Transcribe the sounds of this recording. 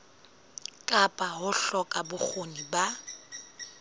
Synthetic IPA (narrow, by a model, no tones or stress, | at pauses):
kʼapʼaɦʊɬɔkʼabʊk͡xʰoniba